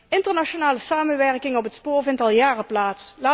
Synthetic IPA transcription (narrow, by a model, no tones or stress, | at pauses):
ɪntəɹnaʃonaːləsaːmənʋɛɹkɪŋɔpɦətspʊːɹvɪntɑlˠjaːrəplaːtslaː